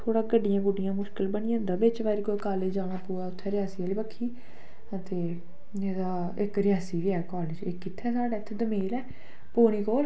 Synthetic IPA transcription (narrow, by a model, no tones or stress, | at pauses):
t̪ʰoːɽaːɡəɖːɪjãːɡʊɖɪjãːmʊʃkəlbəɽ̃ɪjãːnd̪ãːbɪt͡ʃʋaːɾikoːkaːleːd͡ʒd͡ʒaːɽ̃aːpuːɛːʊt̪ʰːɛːɾɪjaːsiːaːliːbəkʰːiː | ət̪eː | eːd̪aː | ɪkɾɪjaːsiːʋɪaːkɔːlɪd͡ʒḛːkːɪt̪ʰːɛːsaːɖeːt̪ʰːeːd̪əmeːlɛː | poːɽ̃iːkoːl